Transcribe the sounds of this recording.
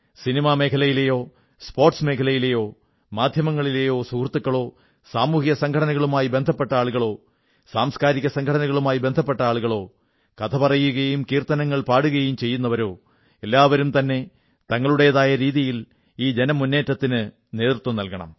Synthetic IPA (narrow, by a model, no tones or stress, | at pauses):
sinimaːme̞ːkʰɐlɐjilejo̞ː | spo̞ːrʈsme̞ːkʰɐlɐjilejo̞ː | maːd̪ʱjɐmɐŋːɐɭile̞jo̞ːsukrt̪ːukːɐɭo̞ː | saːmuːhijɐsɐŋɡʰʱɐɽɐnɐɣɐɭumaːjibe̞nd̪ʱɐpːe̞ʈːɐaːɭuɣɐɭo̞ː | saːmskaːɾikʲːɐsɐŋɡʱʰɐɽɐnɐɣɐɭumaːjibe̞nd̪ʱɐpːe̞ʈːɐaːɭuɣɐɭo̞ː | kɐt̪ʰɐpɐrɐjːuɣɐjumkiːrt̪ɐnɐŋːɐɭpaːɽuɣɐjumt͡ɕe̞jːunːɐʋɐɾo̞ː | e̞lːaːʋɐɾumt̪ɐnːe̞ | t̪ɐŋːɐɭuɽejɐðaːjɐɾiːðijil | iːd͡ʑe̞nɐmunːe̞ːtːɐt̪ːinɨ | ne̞ːt̪ɾt̪wɐmnɐlkɐɳɐ̰m